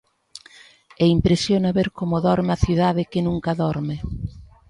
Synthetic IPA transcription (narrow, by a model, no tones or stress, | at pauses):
ɛimpɾesjonaβeɾkomoðɔɾmɐθuðaðɪkɪnuŋkɐðɔɾmɪ